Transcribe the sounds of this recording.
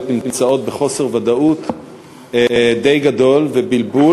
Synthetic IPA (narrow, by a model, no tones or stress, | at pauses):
timmt͡sao̞t̪̚beχo̞se̞ʁvad̪aut̪ | d̪ejɡad̪o̞lvebilbu